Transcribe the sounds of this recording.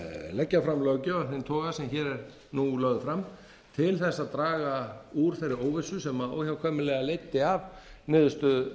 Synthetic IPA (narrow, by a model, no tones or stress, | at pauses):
lɛcːafɾamlœɣcʏœnɪnt̪ʰɔːɣasɛmçɛːɾɛɾ | nulœɣðʏfɾam | t̪ʰɪlθɛsːaðt̪ɾaːɣauɾ̥θɛɾɪɾoːwvɪsʏsɛmao̰ːwçawkʰvœːmɪlɛɣalejt̪ɪavnɪːðʏst̪ʏ